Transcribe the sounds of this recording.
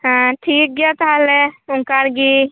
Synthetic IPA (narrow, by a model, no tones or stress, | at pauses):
ɦãʈʰiːk̚ɡjat̪aleʊŋkaɾɡi